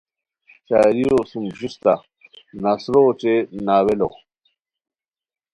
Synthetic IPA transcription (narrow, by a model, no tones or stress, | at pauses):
t͡ɕaːɾijosumʑist̪a | nasɾoːʈ͡ʂenaːwelo̰